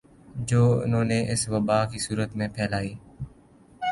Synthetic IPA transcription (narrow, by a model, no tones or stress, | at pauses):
d͡ʒoːʊ̰nõːneːʔɪsʋəbaːkiːsuːɾət̪mẽːpʰɛːlaːiː